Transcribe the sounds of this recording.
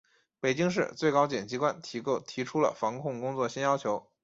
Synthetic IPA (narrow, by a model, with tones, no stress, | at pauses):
pe˨˩ɪt͡ɕi˥ŋʂ̬ɻ̩˥˧t͡swe˥˩ɪkɑ˥ʊt͡ɕjɛ˨˩nt͡ɕi˧˥kwa˥˩nt̪ʰt̪ʰi˧˥ʈ͡ʂʰu˥lə̰˨fɑ˧˥ŋkʰʊ˥˩ŋkʊ˥ŋt͡swɔ˥˩ɕɛ˥njɑ˥ʊt͡ɕʰjo˧˥ʊ